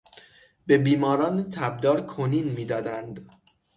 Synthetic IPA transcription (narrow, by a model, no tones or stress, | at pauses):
be̞biːmɒːɾɒːnet̪ʰæb̚d̪ɒːɾkʰoniːnmiːd̪ɒːd̪ænd̪